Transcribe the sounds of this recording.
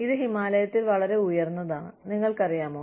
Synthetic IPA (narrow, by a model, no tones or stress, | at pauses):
iðɨɦimaːlɐjɐt̪ːilʋɐɭɐɾe̞ujɐrnːɐðaːɳniŋːɐɭkɐrijaːmoː